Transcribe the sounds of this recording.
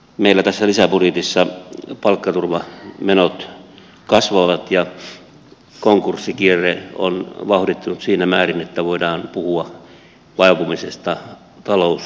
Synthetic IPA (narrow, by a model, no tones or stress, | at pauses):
meilːæt̪æsːælisæpurit̪isːɑpɑlkːɑt̪urʋɑmenot̪ | kɑsʋɑʋɑt̪jɑ | koŋkursːikierːeo̰nʋɑhdit̪ːunut̪siːnæmæːrinet̪ːæʋoidɑːnpuhuɑ | ʋɑipumisest̪ɑ | t̪ɑlous